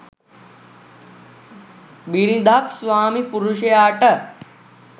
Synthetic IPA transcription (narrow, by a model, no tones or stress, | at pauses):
biːɾĩːd̪ʱaːksʋaːmipʊɾuʃeaːʈɐ